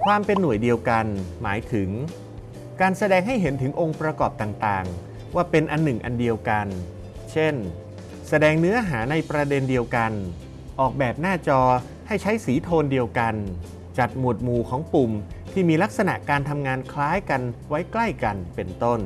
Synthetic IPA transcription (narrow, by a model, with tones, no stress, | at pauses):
kʰwaː˧mpe˧nːu˨˩əjdi˧əwka˧nmaː˩˦jt̪ʰɯ˩˦ŋ | kaː˧nsa˧dɛː˧ŋɦa˥˩jɦe˩˦nt̪ʰɯ˩˦ŋʔo˧ŋpɾa˧kɔː˨˩p̚t̪aː˨˩ŋt̪aː˨˩ŋ | waː˥˩pe˧nʔa˧nːɯ˨˩ŋʔa̰˧ndi˧əwka˧n | t͡ɕʰe˥˩n | sa˧dɛː˧ŋnɯ˦˥ɐɦaː˩˦na˧jpɾa˧de˧ndi˧əwka˧n | ʔɔː˨˩k̚bɛː˨˩p̚naː˥˩t͡ɕɔː˧ | ha˥˩jt͡ɕʰa˦˥jsiː˩˦t̪ʰoː˧ndi˧əwka˧n | t͡ɕa˨˩t̪̚mu˨˩ət̪̚muː˨˩kʰɔː˩˦ŋpu˨˩mt̪ʰiː˥˩miː˧la˦˥k̚sa˧na̰˨˩ʔkaː˧nt̪ʰa˧mŋaː˧nkʰlaː˦˥jka˧nwa˦˥jkla˥˩jka˧npe˧nt̪o˥˩n